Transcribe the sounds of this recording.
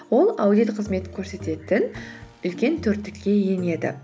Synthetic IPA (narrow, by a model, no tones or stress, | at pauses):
wo̞lˠawd̪ijt̪qʰəzme̞t̪ɪ̥kʲʰɵɾse̞t̪e̞t̪ɪn | ʏlkʲe̞nt̪ʰɵɾt̪ːɪkʲːe̞jene̞d̪ɪ̰